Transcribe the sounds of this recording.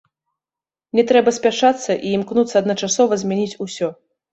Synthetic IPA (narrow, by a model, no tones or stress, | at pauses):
nʲɛt̪ɾɛbɐsʲpʲaʂat̪sːɐʔiːmknut̪sːɐːd̪nɐt͡ʂasɔvɐzʲmʲɛnʲit͡sʲusʲɔ